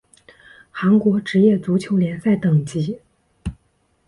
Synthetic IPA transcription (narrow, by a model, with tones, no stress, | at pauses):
xa˧˥nkwɔ˧˥ʈ͡ʂɻ̩˧˥jɛ˥˩t͡su˧˥t͡ɕʰjo˧˥ʊljɛ˧˥nsa˥˩ɪt̪ɤ˨˩ŋt͡ɕi˧˥